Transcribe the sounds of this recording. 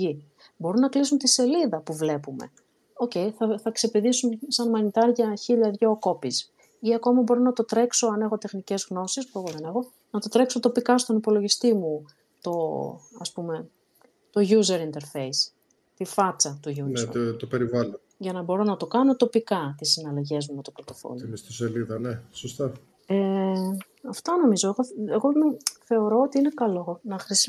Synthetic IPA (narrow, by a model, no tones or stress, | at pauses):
i | bo̞ɾunɐklisunt̪ise̞liðɐpuvle̞pume̞̰ | o̞ce̞jθɐθɐkse̞piðisunsɐnmɐnit̪ɐɾʝɐçiʎɐðʝoko̞pis | iɐko̞mɐbo̞ɾonɐt̪o̞t̪ɾe̞kso̞ɐne̞xo̞t̪exnice̞zɣno̞sispue̞ɣo̞ðe̞ne̞xo̞ | nɐt̪o̞t̪ɾe̞kso̞t̪o̞pikɐst̪o̞nipo̞lo̞ʝist̪imu | t̪o̞ɐspume̞ | t̪o̞ʝuze̞ɾint̪e̞ɾfe̞js | t̪ifɐt͡sɐt̪uʝunnet̪ope̞ɾivɐlon | ʝɐnɐbo̞ɾo̞nɐt̪o̞kɐno̞t̪o̞pikɐt̪isinɐlɐʝe̞zmuet̪opɾot̪o̞fo̰lnist̪oseliðɐnesost̪ɐ | e | ɐft̪ɐno̞mizo̞eɣoeɣomeθe̞o̞ɾo̞ot̪iine̞kɐlo̞nɐxɾis